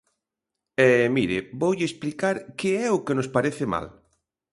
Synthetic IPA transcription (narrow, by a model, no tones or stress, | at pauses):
ɛmiɾɪbowʎɪesplikaɾkɪɛʊkenospaɾeθɪma̰l